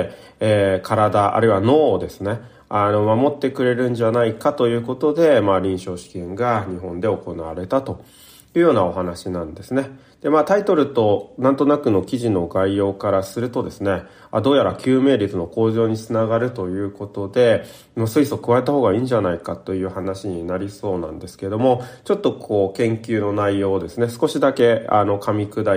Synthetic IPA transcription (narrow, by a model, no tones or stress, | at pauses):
eːkʰaɾad̪aʔa̰ɾɯiβano̞ːd̪e̞sɨne̞ | ano̞mamo̞t̪ːe̞kɯ̟ɾe̞ɾɯ̟̃ɲ̟d͡ʑanaikat̪o̞jɯ̟ːko̞t̪o̞d̪e̞maɾʲĩɰ̃ɕo̞ːɕi̥kʲẽŋɡaɲ̟iɦõ̞nd̪e̞o̞ko̞na̰βaɾe̞t̪at̪o̞ | jɯ̟ːjo̞ːnao̞ɦanaɕinãnd̪e̞sɨne̞ | d̪̥e̞maːt̪ait̪o̞ɾɯ̟t̪o̞nãnt̪o̞nakɯ̟nokʲiʑino̞ɡaijo̞ːkaɾasɨɾɯ̟t̪o̞d̪e̞sɨne̞ | a̰d̪o̞ːjaɾakʲʰɨːme̞ːɾʲit͡sɨno̞ko̞ːʑo̞ːɲ̟it͡sɨnaɡaɾɯ̟t̪o̞jɯ̟ːko̞t̪o̞d̪e̞ | masɨisokɯ̟βae̞t̪aho̞ːɡaĩːɲ̟d͡ʑanaikat̪ːo̞jɯ̟ːhanaɕiɲ̟inaɾʲiso̞ːnã̰nd̪e̞sɨ̥keed̪o̞mo̞t͡ɕo̞t̪ːo̞kʰo̞ːkẽ̞ŋkʲɨːno̞naijo̞ːd̪e̞sɨne̞sɨ̥ko̞ɕid̪ake̞a̰no̞kʰamʲikɯ̟d̪a